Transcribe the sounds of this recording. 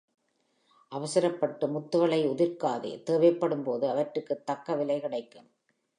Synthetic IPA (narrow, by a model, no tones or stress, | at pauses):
ʔɐʋɐsɐɾɐpːɐʈːɯmʊt̪ːɯɣɐɭɐɪʊðɪɾkaːðḛːt̪eːʋɐɪpːɐɽɯmpoːðɯɐʋɐʈrɯkːɯt̪ːɐkːɐʋɪlɐɪkɐɽɐɪkːɯm